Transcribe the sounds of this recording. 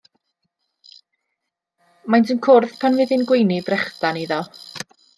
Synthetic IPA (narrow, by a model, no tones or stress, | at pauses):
majntʰɪmkʰʊrθpʰanvɪðɪnɡwejnɪbrɛχdaniðɔ